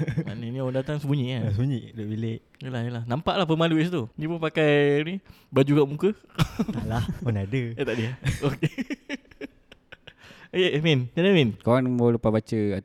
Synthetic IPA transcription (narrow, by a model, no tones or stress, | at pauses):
ma̰nənĩndat̪aŋsəbuɲiʔkansəbuɲiʔdoʔbileʔ | jəlahjəlahnampaʔlahpəmaluɪs̬t̪unĩpunpakajni | bad͡ʒukaʔmukə | lahpunadəet̪aʔdiaoke | jeʔmɛnt͡ʃanaminkawaŋnmolupabat͡ʃəa